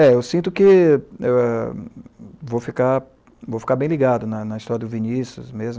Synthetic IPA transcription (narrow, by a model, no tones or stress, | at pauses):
ɛewsĩnt̪ʊkɪew | vowfikaɾ | vofi̥kaɾbẽj̃liɡad̪ʊnɐnɐist̪ɔɾjɐd̪ʊvinisʊ̰smezm